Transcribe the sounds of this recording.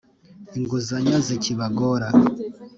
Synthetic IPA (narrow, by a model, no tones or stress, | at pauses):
iŋɡuzaɲaziciβaɡoɾa